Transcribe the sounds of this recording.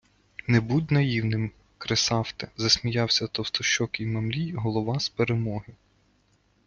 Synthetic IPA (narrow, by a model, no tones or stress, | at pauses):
nɛbud̪ʲnɐjiwnɪm | kɾesɑwt̪ɛzɐsʲmʲijɑwsʲɐt̪ɔwst̪ɔʃt͡ʃɔkʲijmɐmlʲijɦɔlˠɔʋɑspeɾemɔɦɪ